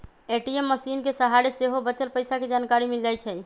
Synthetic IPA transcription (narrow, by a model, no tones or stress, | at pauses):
eʈiemːəsinkesəɦaɾiseɦobət͡ʃəlpəjsaked͡ʒankaɾimild͡ʒajt͡ʃʰɛ